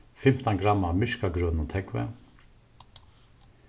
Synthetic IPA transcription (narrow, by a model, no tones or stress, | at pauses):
fɪm̥t̪aŋɡɾamːamʏʃkaɡɾœːnʊt̪ʰɛkʋɛ̰